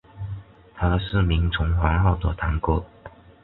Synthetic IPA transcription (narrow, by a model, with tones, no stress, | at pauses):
t̪ʰa˥˨sɹ̩˥˩mi˧˥ŋt͡sʰʊ˧˥ŋxwa˧˥xɑ˥˩ʊt̪ɔ̰˨˧˩t̪ʰa˧˥˦ŋko˥